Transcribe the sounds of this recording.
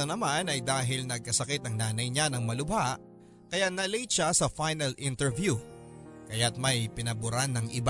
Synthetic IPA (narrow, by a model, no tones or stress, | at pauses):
onɐmanɐjd̪aːɦɪlnɐɡ̚kɐsɐkɛt̪ɐŋnaːnɐjɲanɐŋmɐlʊbaʔ | kɐjanɐlijt͡ʃasɐfajnɐlʔɪnt̪ɛɹvju | kɐjat̪̚mɐjpɪnɐbʊɾanːɐŋʔɪb